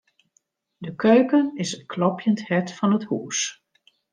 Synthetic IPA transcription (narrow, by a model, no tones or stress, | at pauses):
dəkʰøɥkənɪsətkʰlɔpʰjənthɛtfɑnəthuːs